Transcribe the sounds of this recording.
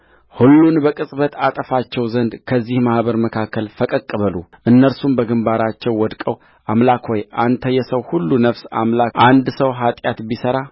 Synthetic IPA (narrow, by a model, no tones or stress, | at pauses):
hulːunbəkʼɨsʼbət̪at̪ʼəfat͡ʃːɛwzənd̪kʰəzːihmahbəɾməkʰakʰːəlfəkʼəkʼːəβəluʔɨnːəɾsumbəɡɨmbaɾat͡ʃːɛwːɔd̪kʼəw | ʔamlakʰwɔjʔant̪ʰəjɛsəwhulːunəβsa̰mlaʔand̪səwɦat̪ʼjat̪bisəɾa